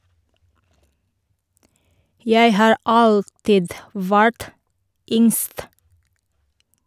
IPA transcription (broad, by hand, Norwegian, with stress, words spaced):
ˈjæɪ ˈhɑːɹ ˈɑltɪd ˈʋæɹt ˈʏŋst